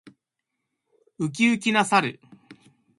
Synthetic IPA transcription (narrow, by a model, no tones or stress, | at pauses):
ɯ̟k̬ʲiɯ̟k̬ʲinasaɾɯ̟̰